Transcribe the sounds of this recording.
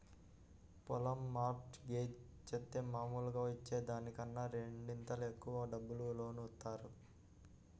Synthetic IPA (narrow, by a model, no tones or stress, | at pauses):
pɔlɐmːaːɾkʈɡeːd͡ʒ | t͡ʃet̪ːeːmaːmuːlɐɡaːʋɐt͡ʃːe̞ːd̪aːnikɐnːaːɾeɳɖint̪ɐlekːuʋɐɖɐbːululo̞ːnut̪ːaːɾu